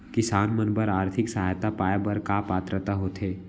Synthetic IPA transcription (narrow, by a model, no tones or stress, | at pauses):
kɪsaːnmənbəɾaːɾt̪ʰɪksɐɦaːjt̪apaːjbəɾkaːpaːt̪ɾət̪aɦoːt̪ʰeː